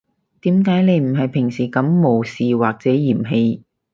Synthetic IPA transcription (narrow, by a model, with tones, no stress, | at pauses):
t̪iː˨˥mkaː˨˥jne˨˧jm̩˨˩ɦɐ˨jpʰɪ˨˩ŋsiː˨˩kɐ˨˥mːo˨˧wsiː˨waː˨k̚t͡sɛː˨˥jiː˨˩mɦe˧j